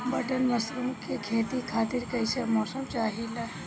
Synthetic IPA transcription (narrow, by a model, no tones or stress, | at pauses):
bɐʈənːɐsɾõkekʰeːt̪ikʰaːt̪ɪɾkɐɪsemɔːsəmt͡ʃaːɦila